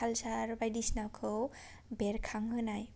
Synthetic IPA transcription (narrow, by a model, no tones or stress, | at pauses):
alsaɾbajdisnakʰɯw | beɾkʰaŋɦɯnaj